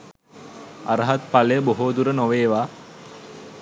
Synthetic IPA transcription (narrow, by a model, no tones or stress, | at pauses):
aɾəɦat̪̚paləjəboɦoːd̪uɾənoʋeːʋaː